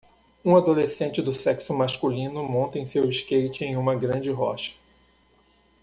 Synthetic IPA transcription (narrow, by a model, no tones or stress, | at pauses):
ũad̪olesẽnt͡ʃɪd̪ʊsɛksʊmaʃkulĩnʊmõnt̪ɐẽj̃sewɪʃkejt͡ʃɪẽj̃ũmɐɡɾɐ̃nd͡ʒɪɦɔ̰ʃɐ̥